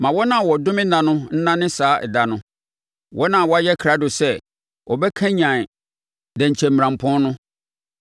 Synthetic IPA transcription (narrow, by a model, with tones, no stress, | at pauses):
mã˨wɔ˦nã˨wɔ˨dʊ̃˦mɪ̃˦nã˨nʊ̃˦n̩˦nã˦nɪ̃˦saː˨˦ʔɛ˨da˨nʊ̃˦ | wʔɔ˦nã˨wɔ˨˦a˦jɛ˦kʰɾa˦dʊ˨sɛ˦ | ɔ˨bɛ˦kʰã˦ɲã˨ | dɛ̃˨ɲ̩˨t͡ɕʰɛ̃˨m̩˨ã˨m˨pʰɔ̃˦nʊ̃˦